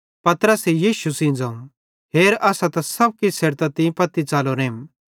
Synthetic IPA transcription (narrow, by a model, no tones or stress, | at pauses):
pɐt̪ɾəsejiːʃusĩd͡zɐ̃ːũ | ɦeːɾɐsãt̪ɐ̃sɐb̚kiseːɾt̪at̪ĩpɐt̪ːit͡saːloɾẽːm